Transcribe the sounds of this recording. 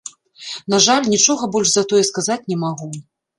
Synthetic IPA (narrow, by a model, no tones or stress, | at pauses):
naʐalʲnʲit͡ʂɔɣɐbɔlʲʂzɐt̪ɔjɛskazat͡sʲnʲɛmaɣu